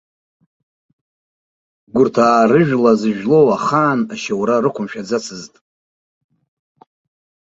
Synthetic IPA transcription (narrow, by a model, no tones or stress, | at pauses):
ɡʷʊrtʰaːrɨʒᶣlazɨʒᶣlo̞waχaːnaʃawɾarɨkʷʰʊmʃᶣad͡zat͡sʰɨztʼ